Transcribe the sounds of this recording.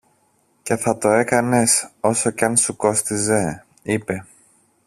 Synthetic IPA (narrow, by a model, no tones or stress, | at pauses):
ce̞θɐt̪o̞e̞kɐne̞so̞so̞cɐnsuko̞st̪ize̞ | ipe̞